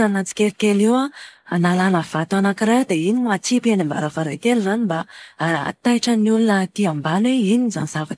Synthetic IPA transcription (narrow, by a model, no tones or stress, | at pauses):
anat͡si̥kʲeɾkʲeliwaanalanəv̥at̪uanakiɾad̪einimat͡sipanimba̰ɾafaɾekelizanimbaa̰t̪ajʈ͡ʂəniulunət̪iambanweinizanz̥avak̪